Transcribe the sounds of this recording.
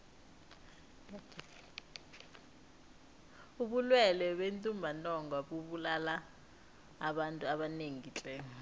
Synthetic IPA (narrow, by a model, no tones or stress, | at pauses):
uɓulwɛlɛɓentʼumbʱanɔŋaɓuɓulalaː | ɓantʼuaɓaneŋiːt͡ɬʼɛ